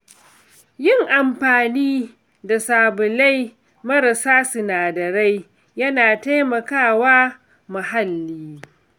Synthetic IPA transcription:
jɪ˦ŋʔa˨mɸaː˨niː˦ | da˨saː˨bʊ˨la˦j | mɐ˦ɾa˨saː˦sʊ˨naː˨dɐ˨ɾa˦j | jɐ˦naː˨ta˦jmɐ˨kaː˦˨waː˦ | ma˨ɦa˦lːiː˦

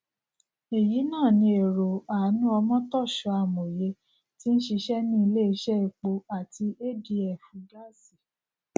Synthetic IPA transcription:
e˨ji˨˦nãː˦˨nĩ˧˦e˨ɾo˨a˨˦nũ˦ɔ˧mɔ̃˦tɔ˦˨ʃɔ˨˧˦a˨mo˨je˧˦ | ti˦n̩˦ʃi˧ʃɛ˦nĩ˦i˧le˦i˧˦ʃɛ˦i˧˨k͡po˧a˨ti˧ʔe˦di˨˧ɛ˨fũ˨˧˦ɡa˦˨si˨

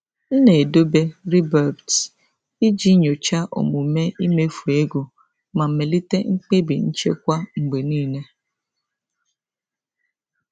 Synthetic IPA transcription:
n̩˦ne˨do˦be˦ɾi˦bɛ˨bt | i˦d͡ʒi˦ɲo˨t͡ʃa˦ʔo̰˨mu˨me˦i˦me˦fu˨e˦ɡo˨ | ma˨m̩˨me˨li˦te˦ŋ͡m̩˦k͡pe˦bi˨n̩˦t͡ʃḛ˦kʷa˦ŋ͡m̩˨ɡ͡be˨niː˦ne˦

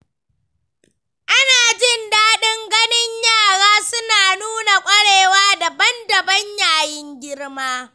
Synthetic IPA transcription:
ʔa˦naː˨d͡ʒɪ˦˨ndaː˦ɗɪ˦ŋɡɐ˦nɪ˦ɲjaː˦˨ɽaː˦sʊ˦naː˨nuː˦na˨kʷʼɐ˦ɽeː˨waː˦da˨bɐ˦ndɐ˨bɐ˦ɲjaː˨jɪ˦ŋɡʲɪ˦rmaː˦

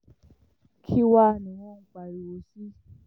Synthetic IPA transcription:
kʰi˦wa˦˨nĩ˨wɔ̃˦˨ŋ̩˨k͡pa˧˨ɾi˨o˧si˦

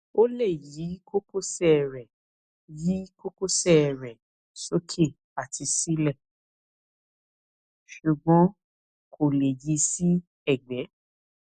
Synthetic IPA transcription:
o˦le˦˨ji˨˦ko˦ko˦sɛ˦ɛ˨ɾɛ˨ | ji˨˦ko˦ko˦sɛ˦˨ɛ˨ɾɛ˨ | so˦kʰe˦˨ | a˨tʰi˧si˦lɛ˦˨ | ʃu˨ɡ͡bɔ̃˨˦ | kʰo˨le˨ji˨˧˦si˦ | ɛ˦˨ɡ͡bɛ̃˨˦

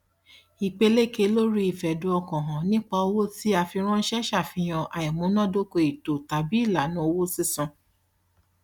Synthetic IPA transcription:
i˨k͡pe˧le˦˨ke˧lo˦ɾi˦i˨fɛ˨du˧˦ɔ˧kɔ̃˨ɦɔ̃˨nĩ˦k͡pa˧o˧wo˦ti˦a˧fi˧ɾ̃ɔ̃˦n̩˦ʃɛ˦ʃa˦˨fĩ˧j̃ɔ̃˧ʔa˨i˨mũ˨˦nɔ̃˦˨do˦ko˧i˨to˨ta˨bi˨˦i˦˨la˨˦nũ˨˦o˧wo˦si˦sɔ̃˧

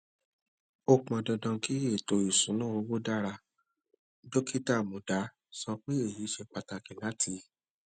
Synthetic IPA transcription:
o˧k͡pɔ̃˨dɔ̃˧dɔ̃˧ki˦e˦˨to˨i˨sũ˨˦nũ˦o˧˦wo˦da˦ɾa˧ | do˦ki˦ta˦˨mõ˨da˨˦ | sɔ˧k͡pe˦e˦˨ji˨˦ʃe˧k͡pa˧ta˧˨kĩ˨la˨˦tʰi˧˦

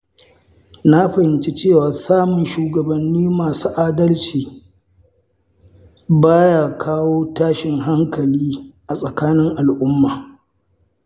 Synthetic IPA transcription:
na˦ɸɐ˨hɪ˨nt͡ʃe˦t͡ʃeː˦˨waː˨saː˦mʊ˨nʃuː˨ɡɐ˨bɐ˨nːiː˦maː˨suː˦ʔaː˦dɐ˦lt͡ʃiː˨ | baː˦jaː˨kʰaː˦woː˦taː˦ʃɪ˨ŋɦa˦ŋkɐ˨liː˦ʔa˨sʼɐ˨kaː˦nɪ˦ŋʔa˨lʔʊ˦mːaː˨

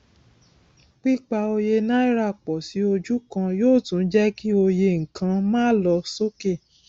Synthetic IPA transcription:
k͡pi˦k͡pa˧o˧je˧nã˦i˦ɾa˦˨k͡pɔ˨si˨˦o˧d͡ʒu˦kã˧joː˦˨tũ˨˦n˦d͡ʒɛ˦ki˦o˧je˧ŋ̩˨kʰã˧mãː˦lɔ˧so˦ke˦˨

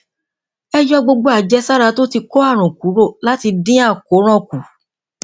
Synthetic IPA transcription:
ɛ˦jɔ˦ɡ͡bo˧ɡ͡bo˧˦a˨d͡ʒɛ˦sa˦ɾa˧to˦ti˧ko˦a˦˨ɾ̃ũ˨ku˨˦ɾo˦˨la˦ti˧dĩ˦a˦˨ko˨˦ɾ̃ɔ̃˦ku˨

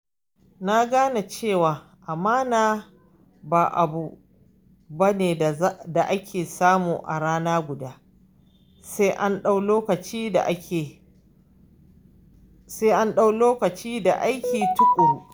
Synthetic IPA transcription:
na˦ɡaː˦na˨t͡ʃeː˦˨waː˨ | ʔa˨maː˦naː˦˨ | baː˨ʔa̰˨bu˦ | ba˦neː˨˦da˨ʔa˦kʲʰeː˨saː˦muː˨ʔa̰˨ɽaː˦naː˦ɡʷʊ˨daː˦ | se˦ʔa˦nɗa˦wloː˦kɐ˨t͡ʃiː˦da̰˨ʔa˦e˨ | se˦ʔa˦nɗa˦wloː˦kɐ˨t͡ʃiː˦da̰˨ʔa˦jkʲiː˨tʊ˦kʷʼuː˨

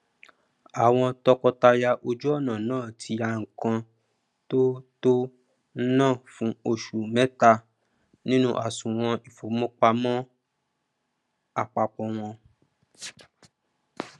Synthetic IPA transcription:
a˨w̃ɔ̃˧tɔ˧kɔ˧ta˧ja˧ʔo˧d͡ʒu˦ɔ˦˨nã˨nãː˦˨tʰi˨˧˦a˧ŋ̩˨kã˧ | to˦to˦ | n̩˦nãː˦˨fũ˨˦o˧˨ʃu˨mɛ̃˦ta˧ | nĩ˦nũ˦ʔa˨sũ˨w̃ɔ̃˧i˨fo˨˦mɔ̃˦k͡pa˧mɔ̃˦ | a˧˨k͡pa˧k͡pɔ̃˧w̃ɔ̃˧

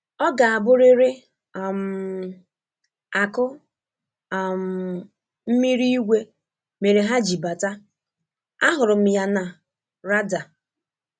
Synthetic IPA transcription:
ɔ˦ɡa˨a˨bʊ˦ɾɪ˦ɾɪ˦˨ | m̩˨ | a˨kʊ˦˨ | m̩˨ | m̩˦mi˦ɾi˦i˦ɡʷe˦ | me˨ɾe˨ɦa˦d͡ʒi˨ba˨ta˦ | a̰˦ɦʊ˨ɾʊ˨m̩˨ja˨na˨ | ɾa˦da˨

